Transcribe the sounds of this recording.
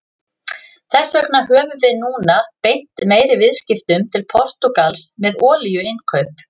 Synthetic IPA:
θɛsːœknaɦœːvʏvɪðnuːnapejn̥t̪meːjɾɪvɪðscɪft̪ʏmt̪ʰɪlpʰɔr̥t̪ukalsmɛðɔːlijʏɪnkʰœɥp

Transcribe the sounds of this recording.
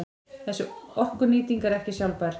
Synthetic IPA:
ɛnsɔɔhkʏniːt̪iŋkaɾɛhcɪsjawlpaɾ̥

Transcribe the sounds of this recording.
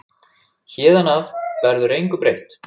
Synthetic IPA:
çɛːðanavvɛɾðʏɾejŋkʏpɾejht̪

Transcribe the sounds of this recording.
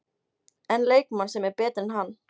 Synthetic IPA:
ɛnleːjkmansɛmɛɾpɛːt̪ɾɪnɦanː

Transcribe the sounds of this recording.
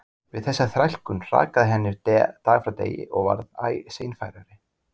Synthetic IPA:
vɪðθɛsːaθɾajl̥kʏnr̥a̰ːkaðɪɦɛnːɪɾt̪ɛːt̪aːɣafɾawt̪ḛːjɪ̰ʔɔɣva̰ɾða̰ːjsejnfajɾaɾɪ

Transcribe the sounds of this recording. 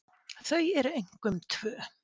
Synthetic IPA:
θœɥɛɾʏejŋ̥kʏmt̪ʰv̥œː

